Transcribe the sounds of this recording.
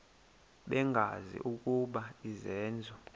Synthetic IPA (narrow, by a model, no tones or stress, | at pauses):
ɓɛŋɡʱa̰zḭʔuk̬ʼuɓaizɛːnd͡zʱɔ